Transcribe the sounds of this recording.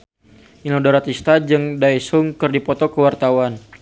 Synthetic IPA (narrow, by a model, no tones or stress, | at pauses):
inɔdaɾat̪ist̪ad͡ʒɨŋdaisʊŋkɨrdipɔt̪ɔkəwart̪awan